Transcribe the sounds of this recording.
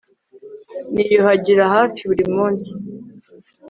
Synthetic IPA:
nijohaɟiɾahaːfiβuɾimuːnsi̥

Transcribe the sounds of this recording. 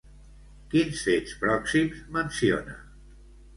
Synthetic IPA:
kinsfespɾɔksimzmənsio̰nə̰

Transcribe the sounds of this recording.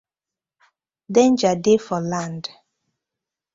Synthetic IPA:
dɛ̃nd͡ʒadefɔlãnd

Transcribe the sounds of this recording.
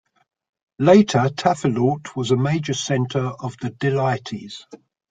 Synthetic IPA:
leɪtʰətʰafəlɔˑtʰwɒzəmeɪd͡ʒəsɛ̃ntʰəɹəvðədɪlaɪtʰḭz̥

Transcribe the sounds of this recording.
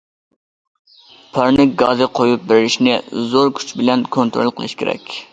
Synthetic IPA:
pʰɑɾnɪk̚ɡɑzɨqʰojup̚bɪɾɪɾɪʃnɪzoɾkʲʰy̥t͡ʃbɪlɛnkʰont̪ɾo̰lˠqʰəlˠɨ̰ʃkʲʰḛɾɛ̰kʲ

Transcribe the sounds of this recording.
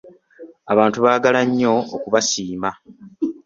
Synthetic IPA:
aβaːntuβaːɡalaɲːo̞o̰kuβasiːma

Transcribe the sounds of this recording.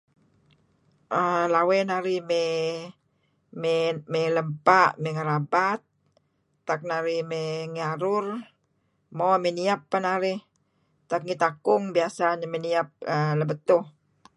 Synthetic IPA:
ʔəlawɛnaɾimɛ | mɛmɛləmpaʔmɛŋaɾabat̪̚ː | ak̚naɾimɛŋaɾʊr | momɛniapːanaɾɪ | t̪ak̚ŋit̪akʊŋbiasaɲmeniap̚ələbət̪ʊh

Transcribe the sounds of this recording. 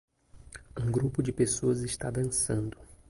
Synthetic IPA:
ũɡɾupʊd͡ʒɪpesoɐzɪʃt̪ad̪ɐ̃sɐ̃nd̪ʊ

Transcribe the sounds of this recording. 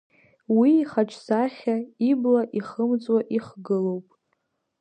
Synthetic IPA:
wiːχaʈ͡ʂʰsaχʲaiblaʔiχəmt͡sʼwaʔiχɡɨlowpʼ

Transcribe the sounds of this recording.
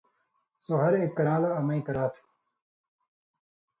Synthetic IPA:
soɦɐɾekːɐnaːlaɐmɐĩkɐɾaːt̪ʰ

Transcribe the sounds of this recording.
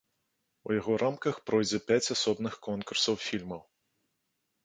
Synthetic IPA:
ujaɣɔɾʔamkɐxpɾɔjd͡zʲɛpʲat͡sʲasɔbnɨxkɔnkursɐwfʲilʲmɐw

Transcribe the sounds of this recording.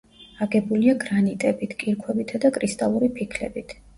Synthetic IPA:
aɡɛbuliaɡɾanit̪ʼɛbit̪ʰkʼiɾkʰwɛbit̪ʰad̪akʼɾist̪ʼalˠuɾipʰikʰlɛ̰bit̪ʰ

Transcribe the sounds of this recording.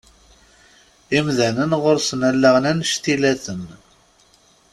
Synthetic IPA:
imðænənʁʊɾsənælːaʁnænʃt̪ilæθən

